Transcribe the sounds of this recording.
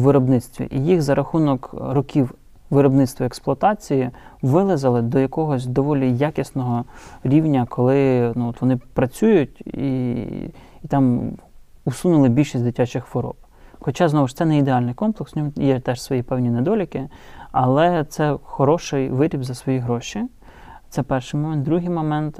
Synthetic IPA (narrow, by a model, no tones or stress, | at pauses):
ʋɪɾɔbnɪt̪st̪ʋʲḭʔijixzɐɾʔɐxunɔkrɔkʲiw | ʋɪɾɔbnɪt̪st̪ʋɔeksplˠʊɐt̪ɑt͡sʲijiʋɪlˠɪzɐlˠɪd̪ɔjɐkɔɦɔsʲd̪ɔʋɔlʲijakʲisnɔɦɔɾʲiwnʲɐkʰɔlˠɪnuɔt̪ʋɔnɪpɾɐt͡sʲujʊtʲḭ | t̪ɑm | usunʊlˠɪbʲilʲʃisʲd̪ɪtʲat͡ʃɪxʋɔɾɔ̰p | xɔt͡ʃɑznɔʋɪʃt̪sɛnɛid̪eɑlʲnɪjkɔmplˠeksnʲɔmjɛt̪ɛʃsʋɔjipɛwnʲined̪ɔlʲikɪɐlˠɛt̪sɛxɔɾɔʃɪjʋɪɾʲibzɐsʋɔjiɦɾɔʃʲi | t̪sɛpɛrʃɪjmɔmɛnd̪ɾuɦɪjmɔmɛnt̪